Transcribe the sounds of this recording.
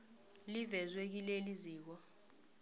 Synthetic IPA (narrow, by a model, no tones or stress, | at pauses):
livɛzwek̬ileliziːk̬ɔ